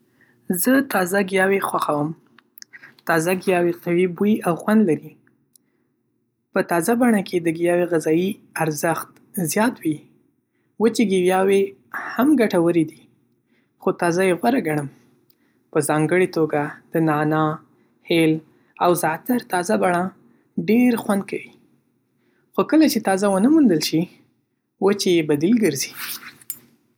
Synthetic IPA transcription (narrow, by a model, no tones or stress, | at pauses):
zət̪ɑzaɡijɑwexwaxawəm | t̪ɑzaɡijɑweqawibuiawxwand̪laɾi | pət̪ɑzabaɳakʰed̪əɡijɑweɣɪzɑjiaɾzəxt̪ | zjɑt̪wi | wət͡ʃeɡiwjɑwe | hamɡaʈawəɾed̪i | xot̪ɑzajeɣwaɾaɡaɳəm | pəzɑŋɡəɽet̪oɡad̪̥ənɑnɑ | hel | awzɑt̪aɾt̪ɑzabaɳɑ | ɖeɾxwand̪̚kʰawi | xokəlat͡ʃet̪ɑzawənəmund̪əlʃi | wət͡ʃejebad̪ilɡəɾzi̥